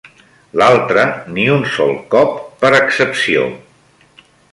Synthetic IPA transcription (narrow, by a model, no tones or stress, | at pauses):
lalˠt̪ɾəniunsɔ̰lˠkɔpːəɾəksəpsio̰